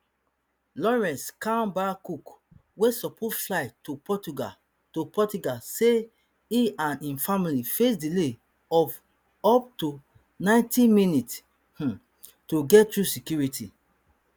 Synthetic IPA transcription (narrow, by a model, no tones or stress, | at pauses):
lɔɹɛ̃nskãnbakuk | wesɔpʰɔtflaɪtupɔtuɡa | topɔtuɡase | iãnĩnfamilifesdile | ɔf | ɔp̚tu | nãɪ̃ntĩminit | h̩ | tuɡɛtɹusikjuɹitʰḭ